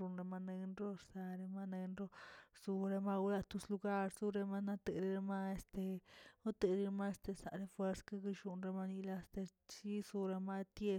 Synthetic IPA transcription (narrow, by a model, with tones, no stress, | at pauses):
u˧nɾe˧ma˧ne˧nɾo˦ɾsa˧ɾe˧ma˧ne˧nɾo˦su˧ɾe˧ma˦˧ɡu˧˦la˧t̪u˧slu˧ɡa˦ɾzu˦ɾe˧ma˧na˧t̪e˧ɾi˧ɾe˧ma˦e˧st̪e˧u˦t̪e˨ɾi˧ɾma˦e˧st̪e˧sa̰˨ɾe˧fwe˧ɾska˦ɡi˧ʃu˧nɾe˧ma˧ni˧la˧st̪e˧ | t͡ʃi˦su˧ɾe˧ma˦t̪je˧